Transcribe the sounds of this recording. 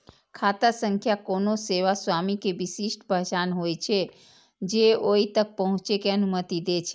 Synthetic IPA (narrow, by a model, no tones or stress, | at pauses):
kʰat̪asə̃ŋkʰjakonoseʋaswamikebisisʈbəɦd͡ʒanɦojt͡ʃʰɛ | d͡ʒeoit̪ək̚pəɦʊ̃t͡ʃekeənumət̪id̪et͡ʃʰɛ